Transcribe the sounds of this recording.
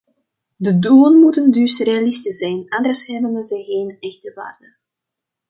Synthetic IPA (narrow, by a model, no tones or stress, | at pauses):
dəduːənmutəndʏsrealistəzɛjnand̪ərshɛbənənzɛjɣeːnɛxdəʋa̰ːrdə